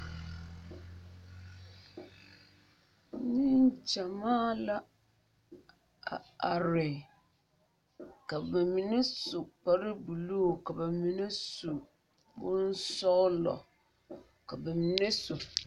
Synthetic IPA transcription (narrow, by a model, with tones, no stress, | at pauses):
ni˦n˦t͡ʃa˨maː˦la˦ | a˨a˨ɾɪ˨ | ka˨ba˨mi˨ne˦su˨k͡pa˦ɾɪ˦bu˨lo˦˨ka˨ba˨mi˨ne˦su˨ | bʊ˦n˦sɔ˦lɔ̰˨ | ka˨bɛ˨mi˨ne˦su˨